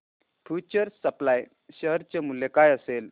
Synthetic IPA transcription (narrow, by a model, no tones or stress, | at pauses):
fʰjut͡ɕəɾsəplaj | ɕəɦɾt͡ɕemulːekajəsel